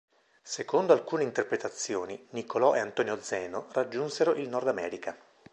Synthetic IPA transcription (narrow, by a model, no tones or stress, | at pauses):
sekond̪oalkuːneint̪erpɾet̪at̪sːjoːninikolɔʔeant̪ɔːnjod̪zɛːnorad͡ʒːunseɾoʔilnɔrd̪amɛːɾika